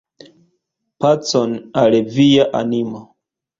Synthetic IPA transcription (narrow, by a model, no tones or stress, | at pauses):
pat͡sonalevijaʔa̰nimo